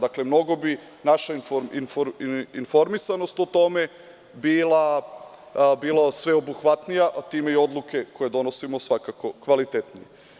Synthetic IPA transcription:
d̪akle̞mno̞ɡo̞bi | naʃainfoɾinfoɾinfo̞ɾmisano̞st̪ot̪o̞me̞ | biːla | bilasʋe̞obuxʋat̪nijaʔt̪iːmeio̞d̪luke̞ko̞je̞d̪o̞no̞simo̞sʋakako̞kʋalit̪et̪nije

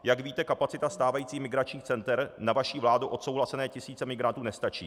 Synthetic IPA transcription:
jaɡviːt̪ɛkapat͡sɪt̪ast̪aːvajiːt͡siːmɪɡɾat͡ʃɲiːxt͡sɛnt̪ɛɾnavaʃiːvlaːduʔo̞t̪sowɦlasɛnɛːcɪsiːt͡sɛmɪɡɾant̪uːnɛst̪at͡ʃḭː

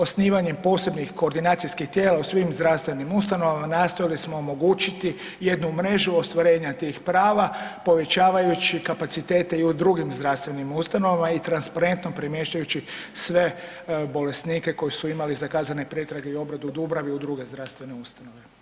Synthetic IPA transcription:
o̞sniːʋaɲempo̞ːse̞bnixko̞ːɾd̪inaːt̪sijskixt̪je̞ːlausʋimzd̪ɾafst̪ʋe̞nimust̪ano̞ʋamanaːst̪ojilismo̞omo̞ɡuːt͡ɕit̪i | je̞d̪numɾe̞ʒuo̞st̪ʋaɾe̞ːɲat̪ixpɾaːʋapo̞ʋe̞t͡ɕaːʋajut͡ɕikapat̪sit̪e̞ːt̪eiud̪ɾuɡimzd̪ɾaʋst̪ʋe̞nimust̪ano̞ʋamait̪ɾanspaɾe̞nt̪nopɾimje̞ːʃcajut͡ɕisʋe̞ | bo̞le̞sniːke̞ko̞jisuimalizakaːzane̞pɾe̞t̪ɾaɡe̞io̞bɾad̪uud̪ubɾaʋiud̪ɾuɡe̞zd̪ɾast̪ʋe̞ne̞ust̪ano̞ʋe̞

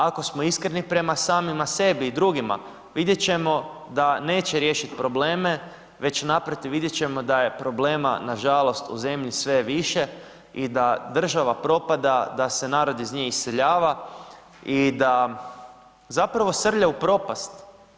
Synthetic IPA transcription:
ako̞smo̞iskɾenipɾe̞masaːmimase̞biːd̪ɾuɡima̰ | ʋid̪jet͡ɕe̞mo̞ | d̪ane̞ːt͡ɕeɾje̞ʃit̪pɾo̞ble̞ːme̞ | ʋe̞t͡ɕnapɾot̪iʋid̪jet͡ɕe̞mo̞d̪aje̞pɾo̞ble̞ːma̰naʒalˠo̞st̪ṵze̞mʎisʋe̞ʋiʃe̞ | id̪ad̪r̩ʒaʋapɾo̞pad̪ad̪ase̞naːɾo̞d̪izɲeisːeʎaːʋa | id̪a | zapɾaʋo̞sr̩ʎaupɾo̞past̪

